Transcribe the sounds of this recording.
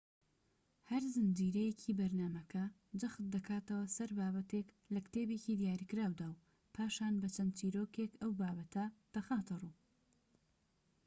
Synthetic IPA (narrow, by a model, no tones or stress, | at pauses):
hɐɾzɨnd͡ʒiːɾɐjecʰiːbɐɾnaːmɐkʰɐ | d͡ʒɐxt̪̚d̪ɐkʰaːt̪ɐwɐsɐɾbaːbɐt̪ek | lɐkt̪eːbe̞ːciːd̪jaːɾikɨɾaːwd̪aw | pʰaːʃaːnbɐt͡ʃʰɐnt͡ʃiːɾoːkekɐwbaːbɐt̪ʰɐd̪̥ɐxaːt̪ɨruː